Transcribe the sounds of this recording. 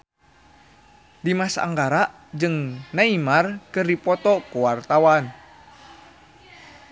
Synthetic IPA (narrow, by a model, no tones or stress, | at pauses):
dimasaʔa̰ŋɡaɾaʔ | d͡ʒɨŋnaimarkɨrdipɔt̪ɔkuwart̪awan